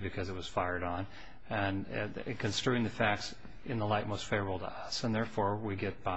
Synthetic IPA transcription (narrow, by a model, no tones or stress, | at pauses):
bɨkʰʌzɨt̚wʌz̥faɪə˞ɾn̩ | ɨ̃nkʰɨ̃nstə˞ɪ̃ŋðɨfæk̚ts | ɨ̃nðəlaɪt̚moʊstfeɪvɹəb̩ˠtə̰ʌsə̃nðɛɹfɔɹwiɡɛt̚b̥a